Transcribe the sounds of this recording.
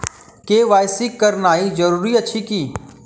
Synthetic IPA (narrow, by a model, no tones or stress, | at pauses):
keːʋaːjsɪkːəɾnaːid͡ʒɐɾuːɾiɐt͡ʃʰikiː